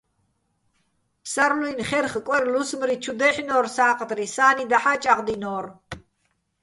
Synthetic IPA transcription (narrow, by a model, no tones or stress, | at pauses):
psaɾluinχɛrχkʼwɛrlusmɾit͡ʃʰud̪ɛħinɔːrsaːqʼd̪risaːnid̪aħat͡ʃʼaqʼd̪inɔːr